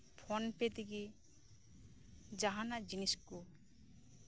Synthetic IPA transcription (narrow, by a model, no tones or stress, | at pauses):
pʰɔnpet̪iɡi | d͡ʒaɦanad͡ʒinisku